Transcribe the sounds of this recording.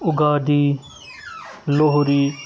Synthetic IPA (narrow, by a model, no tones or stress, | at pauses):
ʊɡaːd̪iː | loɦɾiː